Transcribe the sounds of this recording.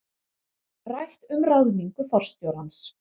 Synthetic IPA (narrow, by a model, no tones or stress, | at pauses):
rajht̪ʏmrawðniŋkʏθɔr̥st̪jowɾans